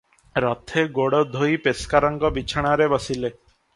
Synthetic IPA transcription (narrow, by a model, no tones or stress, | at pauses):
ɾɔt̪ʰeɡoɽɔd̪ʱojpeskaɾɔŋɡɔbit͡ʃʰaɽ̃aɾebɔsile